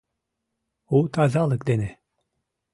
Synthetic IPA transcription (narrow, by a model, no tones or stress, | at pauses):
ut̪ʰazalˠɯkd̪enɪ